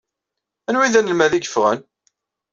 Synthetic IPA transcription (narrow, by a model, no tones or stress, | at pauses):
ænwiðænəlmæðiɡə̥fʁən